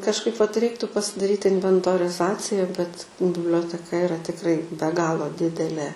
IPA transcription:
kɐʃˈkɐɪp ʋɐt ˈrʲɛɪktʊ pɐsʲɪdɐˈrʲiːt ɪnʲʋʲɛntoːrʲɪˈzɑːt͡sʲɪjɛ bʲɛt bʲɪbʲlʲoːtʲɛˈkɐ ɪˈrɐ tʲɪkˈrɐɪ bʲɛ ˈɡɑːlˠoː ˈdʲɪdʲɛlʲeː

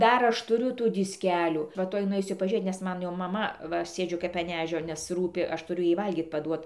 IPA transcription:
ˈdɐr ˈɐʃ tʊˈrʲʊ ˈtuː dʲɪsʲˈkʲæːlʲuː ʋɐ ˈtuɔj nʊˈɛɪsʲʊ pɐʒʲuːˈrʲeːt nʲɛs ˈmɐn jɛʊ mɐˈmɐ ˈʋɐ ˈsʲeːd͡ʒʲʊ kɐp ɐn ˈæːʒʲoː nʲɛs ˈruːpʲɪ ˈɐʃ tʊˈrʲʊ ˈjɛɪ ˈʋɐlʲɡʲiːt pɐˈduɔt

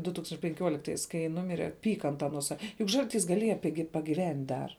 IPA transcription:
dʊ ˈtuːkstɐnʲt͡ʃʲ pʲɛŋʲˈkʲuɔlʲɪktɐɪs kɐɪ ˈnʊmʲɪrʲɛ ˈpʲiːkɐ ɐnt ɐˈnuɔ ˈsɐ jʊk ˈʒɐlʲˌtʲiːs ɡɐˈlʲiɛjɛ ˈpʲɪɡʲɪ pɐɡʲɪˈʋʲɛnʲtʲ dɐr

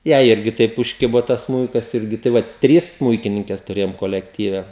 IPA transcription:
ˈjɛɪ ˈɪrʲɡʲɪ ˈtɐɪp ʊʃʲˈkʲɪboː ˈtɐs ˈsmuːɪkɐs ˈɪrʲɡʲɪ tɐɪ ˈʋɐt ˈtʲrʲiːs ˈsmuːɪkʲɪnʲɪŋʲkʲɛs tʊˈrʲeːjoːm koːlʲɛkˈtʲiːʋʲɛ

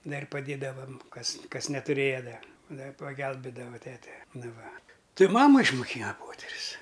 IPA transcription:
ˈdɐrʲ pɐˈdʲeːdɐʋɐm ˈkɐs ˈkɐs nʲɛtʊˈrʲeːjɛ ˈdɐ ˈdɐ pɐɡʲɛlʲbʲeːdɐʋoː ˈtʲæːtʲɛ ˈnʊ ˈʋɐ ˈtʲɪ ˈmɑːmɐ ɪʃmʊˈkʲiːnɐ ˈpoːtʲɛrʲʊs

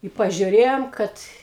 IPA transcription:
ɪ pɐʒʲʊˈrʲeːjoːm ˈkɐt

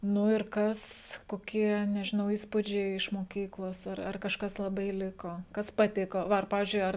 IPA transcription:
nʊ ɪr ˈkɐs koːˈkʲiɛ nʲɛʒʲɪˈnɐʊ ˈiːspʊd͡ʒʲɛɪ ɪʃ moːˈkʲiːklˠoːs ˈɐr ɐr kɐʃˈkɐs lˠɐˈbɐɪ ˈlʲɪkoː ˈkɐs pɐˈtʲɪkoː ˈʋɐ ɐr ˈpɑːʋʲɪzʲd͡ʒʲʊɪ ˈɐr

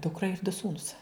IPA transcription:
ˈdʊkrɐ ɪr dʊ ˈsuːnʊs

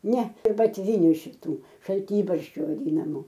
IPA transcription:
ˈnʲɛ ɪr bɐtʲˈʋʲiːnʲʊ ʃʲɪˈtuː ʃɐlʲˈtʲiːbɐrʲʃʲt͡ʃʲuː ʋɐˈdʲiːnɐmʊ

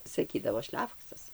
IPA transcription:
sɐˈkʲiːdɐʋoː ˈʃʲlʲæːfoːksɐs

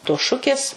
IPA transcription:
toːs ˈʃʊkʲeːs

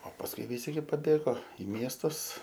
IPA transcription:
oː pɐsˈkʊɪ ʋʲɪˈsʲɪ ɡʲɪ pɐˈbʲeːɡoː ɪ ˈmʲiɛstʊs

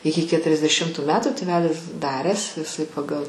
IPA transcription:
ˈɪkʲɪ kʲɛtʲrʲɛzʲdʲɛˈʃʲɪmtʊ ˈmʲæːtʲɛ tʲeːˈʋʲæːlʲɪs ˈdɑːrʲæːs ɪˈsɐɪ pɐˈɡɐlˠ

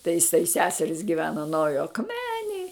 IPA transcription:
tɐɪ ɪˈsɐɪ ˈsʲæːsʲɛrʲɪs ɡʲɪˈʋʲæːnɐ nɐʊˈjoː ɐkˈmʲæːnʲeːj

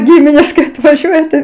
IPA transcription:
ˈɡʲɪmʲɪnʲeːs kɐɪ ɐtʋɐˈʒʲuɔjɛ tɐɪ

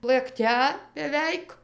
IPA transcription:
lˠɘkˈtʲɛ bʲɛˈʋʲɛɪk

